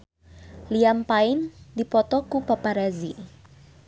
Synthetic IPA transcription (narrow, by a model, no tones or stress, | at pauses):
liampaɪnd̪ipɔt̪ɔkupapaɾazi